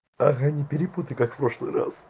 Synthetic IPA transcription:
axjanʲɪpʲɪɾʲɪput̪əjkakfpɾoʂlˠɨ̰ɾa̰s

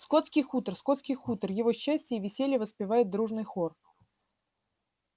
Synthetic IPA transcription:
skot̪skʲijxut̪ərsko̞t̪skʲɪjxut̪ərjɪvo̞ɕːæsʲtʲəivʲɪsʲelʲjəvəspʲɪvajɪt̪̚d̪ɾuʐnɨjxor

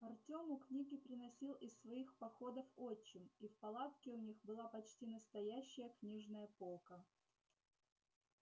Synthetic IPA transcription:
ɐrtʲo̞mʊknʲiɡʲɪpɾʲɪnɐsʲilˠɪsːvɐixpɐxo̞d̪əfot͡ɕːɪmifpɐlˠat̪kʲɪʊnʲixbɨlˠapɐt͡ɕtʲinəst̪ɐjæɕːəjəknʲiʐnəjəpo̞lˠkə

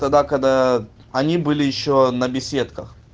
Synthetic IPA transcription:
t̪ɐɡd̪akɐɡd̪a | ɐnʲibɨlʲɪjɪɕːonɐbʲɪsʲe̞t̪kəx

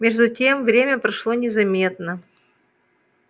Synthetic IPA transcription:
mʲeʐd̪ʊtʲemvɾʲemʲəpɾɐʂlˠonʲɪzɐmʲe̞t̪nə

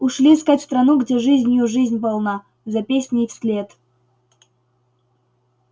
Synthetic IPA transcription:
ʊʂlʲiskatʲst̪ɾɐnuɡdʲeʐɨzʲnʲjuʐɨzʲnʲpalˠna | zɐpʲesʲnʲɪfsʲlʲet̪

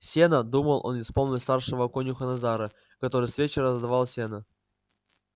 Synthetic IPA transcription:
sʲenəd̪uməlˠʔo̞̰nɪspo̞lˠnʲɪt̪ʲˠst̪arʂəvəɐkonʲjʊxənɐzaɾə | kɐt̪o̞ɾɨjsvʲet͡ɕɪɾəzd̪vɑlˠsʲenə

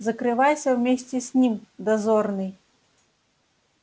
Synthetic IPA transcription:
zɐkɾɨvajsʲɐwmʲesʲt͡sʲɛsʲnʲimd̪azɔrnɨj

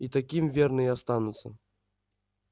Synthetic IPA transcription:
it̪akʲimvʲɛrnɨjast̪anut̪sːɐ

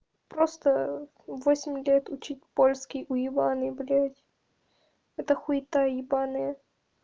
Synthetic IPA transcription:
pɾost̪ə | vosʲɪmʲlʲet̪ʊt͡ɕitʲpolʲskʲɪjʔʊjɪbanɨblʲatʲ | ɛt̪əxʊɪt̪ajjɪbanɨjə

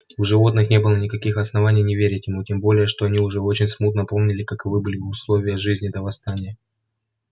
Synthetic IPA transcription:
ʊʐɨvo̞t̪nɨxnʲe̞bɨlˠənʲɪkɐkʲixɐsnɐvanʲɪjnʲɪvʲeɾʲɪtʲjɪmutʲembo̞lʲɪjəʂt̪o̞ɐnʲiʊʐɛo̞t͡ɕɪnʲsmut̪nəpo̞mnʲɪlʲɪkakɨvɨbɨlʲɪʊslˠo̞vʲɪjəʐɨzʲnʲɪd̪əvɐst̪anʲɪjə

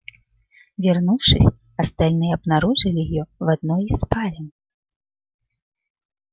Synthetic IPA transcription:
vʲarnuwʂɨsʲ | ɐst̪alʲnɨjɛɐbnaɾuʐɨlʲijɔvad̪nɔispalʲin

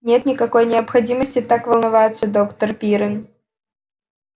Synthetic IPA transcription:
nʲet̪nʲɪkɐko̞jnʲɪəpxɐdʲiməsʲtʲɪt̪akvəlˠnɐvajɪt̪səd̪okt̪ərpʲiɾən

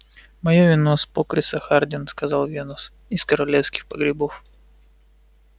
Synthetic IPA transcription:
mɐjovʲɪnospokɾʲɪsɐxard̪ʲɪnskɐzɑlˠvʲenʊs | ɪskəɾɐlʲefskʲɪ̥xpəɡɾʲɪbof

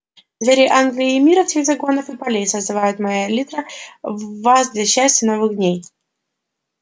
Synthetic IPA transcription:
d̪vʲeɾʲɪʔanɡlʲɪːmʲiɾɐfsʲeɣzɐɡonəfɨpɐlʲejsəzd̪ɨvajʊt̪mɐjalʲit̪ɾə | vasd̪lʲɐɕːæsʲtʲɪnovɨɣd̪ʲnʲej

